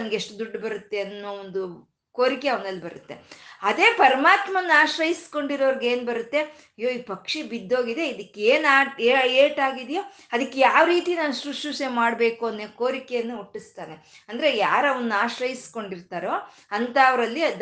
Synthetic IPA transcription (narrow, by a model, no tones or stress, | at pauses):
ɐnɐɡeʂʈd̪uɖːbɐɾut̪ːe̞ɐnːoːond̪u | koːɾikeɐʋɐnɐlːibɐɾṵt̪ːe̞̰ɐd̪e̞ːpɐɾɐmaːt̪mɐnːaːʂɾɐjisko̞ɳɖiɾɐːʋɐɾɡe̞ːnbɐɾut̪ːe̞ | ɐjːoːiːpɐkʂibid̪ːo̞ːɡid̪e̞id̪ikːeeːnaːeeːʈaːɡid̪joː | ɐd̪ɐkːejaːʋɐɾiːt̪ijnaːnusɾuʂʈːusemaːɽbe̞ːkuɐnːeːkoːɾikejɐnːuoʈːist̪aːne̞ɐnd̪ɐɾejaːɾɐʋɐnːaːʂɾɐjisko̞ɳɖiɾt̪aːɾeoː | ɐnt̪aːʋɾɐlːid̪